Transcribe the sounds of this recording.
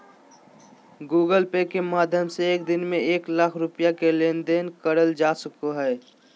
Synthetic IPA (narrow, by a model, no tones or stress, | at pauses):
ɡuːɡəlpekemaːd̪ʱjəmseːk̚d̪ɪnmẽeːklakʰɾʊpjakelend̪enkəɾəld͡ʒasəkoɦɛː